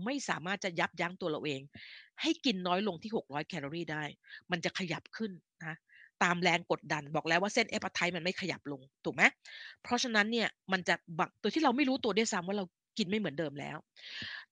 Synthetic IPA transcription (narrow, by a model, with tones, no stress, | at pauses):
ma˥˩jsa̰ː˩˦maː˥˩t̪̚t͡ɕa˨˩ja˦˥p̚ja˦˥ŋt̪u˧ɐla̰˧wʔeː˧ŋha˥˩jki˧nːɔː˦˥jlo˧ŋt̪ʰiː˥˩ho˨˩k̚ɾɔː˦˥jkʰɛː˧lo˧ɾiː˥˩daː˥˩jma˧nt͡ɕa˨˩kʰa˧ja̰˨˩p̚kʰɯ˥˩n | na˦˥t̪aː˧mlɛː˧ŋko˨˩t̪̚da˧nbɔː˨˩k̚lɛː˦˥waː˥˩se˥˩nʔe˦˥pːa˧t̪ʰa˧˥jma˧nma˥˩jkʰa˧ja̰˨˩p̚lo˧ŋt̪ʰuː˨˩k̚ma˦˥jpʰɾɔ˦˥t͡ɕʰa˧na˦˥nːi˥˩ɐma˧nt͡ɕa˨˩wa˨˩ŋt̪u˧t̪ʰi˥ɾa˧wma˥˩jɾuː˦˥t̪u˧ɐdu˥˩jsa˦˥mwaː˥˩ɾa˧w | ki˧nma˥˩jmɯ˩˦ndɤː˧mlɛ̰ː˦˥w